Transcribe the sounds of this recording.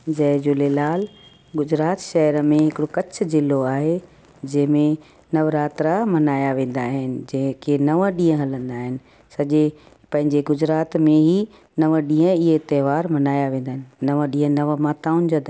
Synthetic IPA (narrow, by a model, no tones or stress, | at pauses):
d͡ʑɐɦd͡ʑʊlelaːl | ɡʊd͡ʑɾaːt̪ʃɐɦəɾəmẽɦɪkɪɽokɐt͡ɕʰʊ̆zɪlːoaːɦe | d͡ʑɐ̃ɦɪ̃mẽ | nɐʋɾaːt̪ɾamɐnaːjaʋẽːn̆d̪aːɦɪnɪ̆d͡ʑɐ̃ɦɪ̃kʰenɐʋəɗĩːə̃ɦɐlə̃nd̪aːɦɪnɪ̆ | sɐʄe | pɐ̃ɦɪ̃ɲd͡ʑeɡʊd͡ʑɾaːt̪mẽɦi | nɐʋəɗĩːə̃ɪɦet̪ɛːʋaːɾmɐnaːjaʋẽːnd̪aːɦɪnɪnɐʋə̃ɗĩːə̃nɐʋəmaːt̪aːʊnɪd͡ʑod̪